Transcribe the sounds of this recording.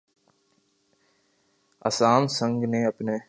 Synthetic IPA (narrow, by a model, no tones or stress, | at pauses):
ɐ̰saːmsə̃ŋɡneɐpne